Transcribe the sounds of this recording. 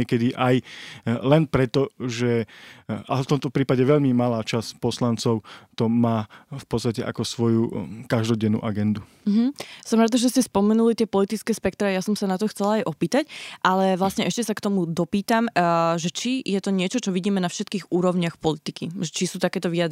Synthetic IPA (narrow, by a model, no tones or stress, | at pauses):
ɛkɛd̪iʔajlɛnpɾɛt̪ɔʒɛ | a̰ft̪ɔmt̪ɔpɾiːpaɟɛʋɛʎmimalaːt͡ʃaspɔslant͡sɔʊt̪ɔmaːfpɔt̪t͡sst̪acɛʔa̰kɔsʋɔjukaʒd̪ɔɟɛnːṵːʔaɡɛnd̪uɦm̩sɔmɾaːd̪aʒɛscɛspɔmɛnulit̪ɪɛpɔlit̪it͡skɛːspɛkt̪ɾɛjasɔmsanat̪ɔxt͡sɛlaajʔɔpiːt̪acʔalɛʋlasɲɛʔɛʃcɛsakt̪ɔmud̪ɔpiːt̪amʒɛt͡ʃijɛt̪ɔɲɪɛt͡ʃɔt͡ʃɔʋiɟiːmɛnafʃɛt̪kiːɣuːɾɔʊɲɪaxpɔlit̪ikiʒɛt͡ʃisuːt̪akɛːt̪ɔʋiad̪